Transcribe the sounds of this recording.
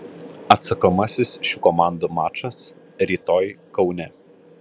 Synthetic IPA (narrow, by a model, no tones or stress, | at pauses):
ɐt̪sɐkɐmɐsʲɪsʃʲukɔmɑˑnd̪umɑːt͡ʃɐs | ɾʲiːt̪oːjkɒʊnʲɛ